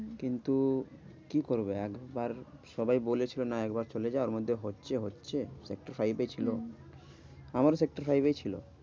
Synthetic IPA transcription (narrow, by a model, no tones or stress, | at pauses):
kint̪ukikoɾbeɛkbaɾʃɔbajbolet͡ɕʰilonaɛkbaɾt͡ɕoled͡ʑaooɾmod̪ʱːeɦotːɕʰeɦotːɕʰesekʈaɾfɾajbet͡ɕʰilo | amaɾsek̚ʈaɾfɾajbet͡ɕʰilo̰